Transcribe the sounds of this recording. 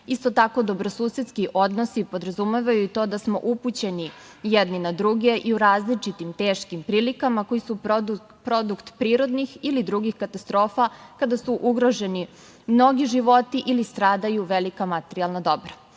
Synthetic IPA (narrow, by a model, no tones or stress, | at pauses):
ist̪o̞t̪ako̞d̪o̞bɾo̞suːse̞t̪skiʔo̞d̪no̞sipo̞d̪ɾazumeʋajuit̪o̞d̪asmo̞̰ʔuput͡ɕe̞ni | jed̪ninad̪ɾuɡe̞ʔiuɾaːzlit͡ʃit̪imt̪e̞ːʃkimpɾiːlikamako̞jisu | pɾo̞d̪ukt̪pɾiːɾo̞d̪nixilid̪ɾuɡixkat̪ast̪ɾo̞ːfakad̪asuʔuɡɾo̞ʒe̞ni | mno̞ɡiʒiʋo̞t̪iʔilist̪ɾaːd̪ajuʋe̞likamat̪eɾialnad̪o̞bɾa